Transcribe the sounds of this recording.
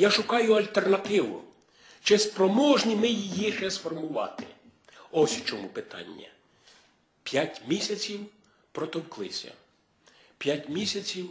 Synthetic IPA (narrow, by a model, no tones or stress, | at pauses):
jaʃʊkɑjʊɐlʲt̪ernɐt̪ɪʋʊ̰ | t͡ʃɪspɾɔmɔʒnʲimɪjijiʃɛsfɔrmʊʋɑ̰t̪ɪ | ɔsʲt͡ʃɔmupɪt̪ɑ̰nʲːɐ̰ | pʲjatʲmʲisʲɐt͡sʲiw | pɾɔt̪ɔwklˠɪsʲɐ̰ | pʲjatʲmʲisʲɐt͡sʲiw